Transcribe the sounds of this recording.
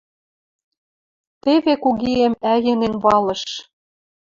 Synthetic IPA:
t̪eβekuɣiemæjɘ̆nenβɑlɤ̆ʃ

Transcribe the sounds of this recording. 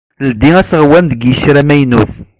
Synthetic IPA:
ld̪iæsəʁwænd̪əɡjəʃɾæmæjnuθ

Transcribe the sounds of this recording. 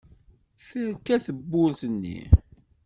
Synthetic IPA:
θəɾkæθəbːʊlθənːḭ

